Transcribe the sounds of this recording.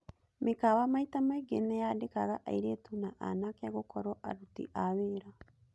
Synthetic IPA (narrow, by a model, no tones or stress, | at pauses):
mekawamaitamaiɡenajadekaɣaʔa̰iɾeːtunaʔa̰nakeaɣokɔɾɔʔa̰ɾutḭʔaweːɾa